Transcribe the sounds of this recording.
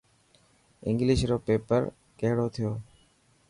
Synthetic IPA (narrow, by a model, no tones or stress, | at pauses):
ɪ̰̃ŋɡlɪʃɾoːpeːpəɾ | keɦɽoːt̪ʰɪjoː